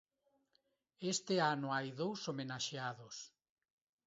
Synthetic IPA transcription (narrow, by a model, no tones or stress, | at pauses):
est̪eanoajðowsomenaʃeaðos